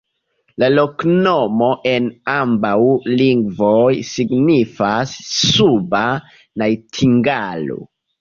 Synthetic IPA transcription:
lalo̞kno̞mo̞ʔe̞nambawliŋɡvojsiɡnifasːuba | najtʰiŋɡalo̰

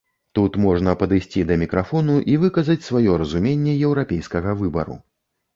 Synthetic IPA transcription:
t̪ut̪mɔʐnɐpɐd̪ɨjsʲt͡sʲid̪ɐmʲikɾafɔnuʔivɨkɐzɐt͡sʲsvajɔɾɐzumʲenʲːɛjɛwɾapʲejskɐɣɐvɨbɐ̰ɾṵ

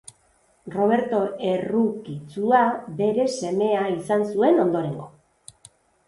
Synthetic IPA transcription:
ro̞β̞e̞ɾt̪o̞e̞rukit͡suabe̞ɾe̞se̞me̞aisansue̞no̞nd̪o̞ɾe̞ŋɡo̞

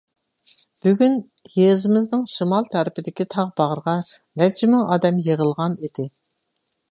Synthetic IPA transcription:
b̥yɡʲyn | hezɪmɪznɨŋʃɨmɑlˠt̪ʰæɾɪpɪd̪ɪkʲit̪ʰɑʁbɑʁɾəʁɑnɛt͡ʃʰɪmɪŋɑːd̪ɛmjeʁəlˠʁɑnid̪ɪ

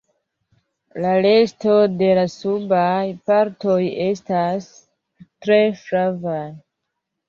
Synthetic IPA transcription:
lale̞sto̞de̞lasubajpaɾto̞je̞stas | tɾe̞fɾavaj

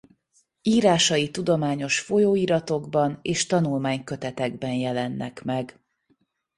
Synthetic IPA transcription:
iːɾaːʃɒjit̪ud̪o̞maːɲo̞ʃfo̞joːiːɾɒt̪o̞ɡbɒneːʃt̪ɒnulmaːɲkø̞t̪ɛt̪ɛɡbɛnjɛlɛnːɛ̰kmɛɡ

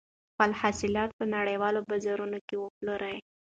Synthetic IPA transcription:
xalhasɪlɑt̪̚pənaɽajwɑlobazaɾunokewəploɾʔaj

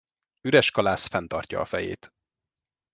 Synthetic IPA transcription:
yɾɛʃkɒlaːsfɛnt̪ɒrcɒ̰ɒfɛjḛːt̪

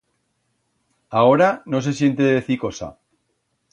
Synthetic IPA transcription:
ao̞ɾano̞s̬e̞s̬je̞nt̪e̞ðe̞θiko̞sa̰

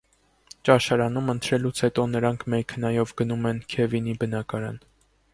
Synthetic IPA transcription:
t͡ʃɑʃɑɾɑn̪umənt̪ʰɾɛlut͡sʰhɛt̪ɔnəɾɑŋkʰmɛkʰənɑjɔvɡənumɛnkʰɛvinibənɑkɑɾɑ̰n

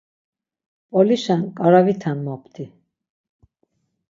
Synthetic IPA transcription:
pʼɔliʃankʼaɾavit̪ʰanmɔpʰd̪i

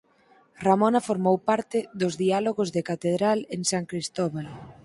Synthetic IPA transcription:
ramonafoɾmowpaɾt̪ɪðʊzðialoɣozðɪkat̪eðɾaleŋsaŋkɾist̪oβal

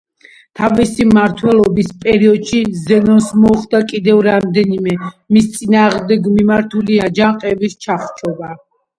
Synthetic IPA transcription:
t̪ʰavisimaɾt̪ʰwɛlˠɔbispʼɛɾiɔd̪ʃizɛnɔnsmɔχd̪akʼid̪ɛvɾamd̪ɛnimɛmist̪sʼinaːʁmd̪ɛɡmimaɾt̪ʰuliad͡ʒaqʼɛbist͡ʃʰaχt͡ʃʰʼɔba

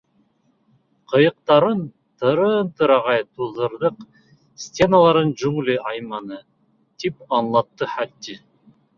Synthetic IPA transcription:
qʰɤ̆jɤ̆q̚t̪ɑɾɯn | t̪ɯ̆ɾɯnt̪ɯɾɑʁɑjt̪uðɤ̆ɾd̪ɤq | sʲtʲe̞nalˠɑɾɯnd͡ʒʉŋliʔɑjmɑnɯ | t̪ipɑnlˠɑt̪ːɯħæt̪ːi

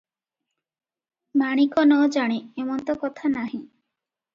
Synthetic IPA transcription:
maɽ̃ikɔnɔd͡ʒaɽ̃iemɔnt̪ɔkɔt̪ʰanaɦĩ

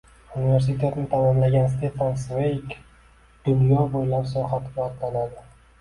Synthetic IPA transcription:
unive̞ɾs̬it̪ʰe̞t̪ɪnɪt̪ʰanɪnlaɡʲanst̪ʰet̪fansvejkʲ | d̪̥ʊnjɒbojlapsɒχat̪at̪lanad̪ɪ

